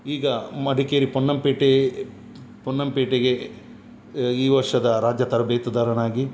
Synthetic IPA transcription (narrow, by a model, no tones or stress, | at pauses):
iːɡɐmɐɖʱikeːɾiponːɐmpeːʈe | pɔnːɐmpeːʈeɡe | iːʋɐɾʂɐd̪ɐɾaːd͡ʒjɐt̪ɐɾɐbeːt̪ud̪aːɾɐnaːɡi